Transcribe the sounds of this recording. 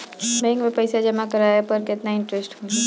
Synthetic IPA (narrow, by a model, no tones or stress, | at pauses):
meɪ̃ŋɡmẽpɐjsad͡ʒɐmakɐɾaepɐɾkɪt̪naɪ̃ɳʈɾesʈɦõːi